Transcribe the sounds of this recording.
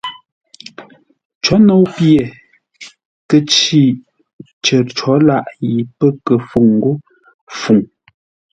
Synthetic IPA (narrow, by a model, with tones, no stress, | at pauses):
t͡ʃɔ˨˦no˨˦wpje˨ | kə˦t͡ʃi˦˨ | t͡ʃə˨t͡ʃɔ˨˦la˦˨ʔji˨pə˦kə˨fu˦˨ŋŋ˨ɡo˦ | fu˨ŋ